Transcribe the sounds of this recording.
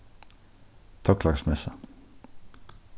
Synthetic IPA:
t̪ʰɔklɑɡsmɛsə

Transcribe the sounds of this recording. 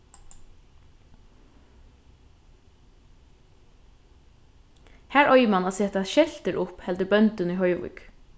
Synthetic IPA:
hæːɹɔjəmanaːseːt̪aʃɛl̥t̪əɹʔʊphɛld̪əbœnt̪əniɦœʏʋʊ̰k

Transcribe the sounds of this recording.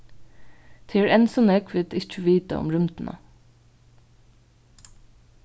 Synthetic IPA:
t̪ʰeːɹɛnsɔnɛkʰʋɪt̪ɪt͡ʃəʋiːt̪ə̰ʊ̰mɾʉmt̪n̩ʔə̰

